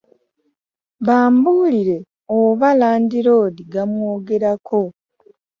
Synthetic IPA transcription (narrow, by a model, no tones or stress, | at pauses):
βaːmbuliɾe̞ | oβalaːndiɾo̞ːdiɡamwoːɡe̞ɾakʰo